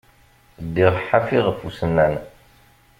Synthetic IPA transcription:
d̪ːiʁħːafiʁəfusənːæn

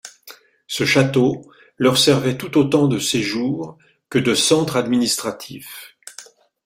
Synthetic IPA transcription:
səʃat̪o | lɔʁsɛʁvɛt̪ut̪ot̪ɑ̃d̪əseʒuʁ | kəd̪əsɑ̃t̪χad̪minist̪χat̪ʰif

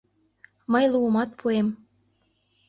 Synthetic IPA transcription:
məjlumɑt̪̚pʰuem

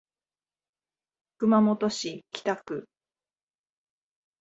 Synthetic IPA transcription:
kɯ̟mamot̪o̞ɕikʲi̥t̪akɯ̟

